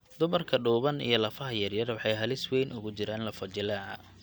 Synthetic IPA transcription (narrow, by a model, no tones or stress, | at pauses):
d̪ʊmɐrkʰɐɖuːβɐnḭjɞlɐfɐɦɐjɐrjɐɾwɑħɑjɦɐlɪswɛjnʔʊɣʊt͡ʃɪɾaːnlɐfɔt͡ʃɪlaɐ